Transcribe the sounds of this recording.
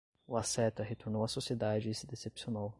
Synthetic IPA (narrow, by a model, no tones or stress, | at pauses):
uasɛt̪ɐɦet̪oɾnowɐsosied̪ad͡ʒɪsɪd̪esepsionaw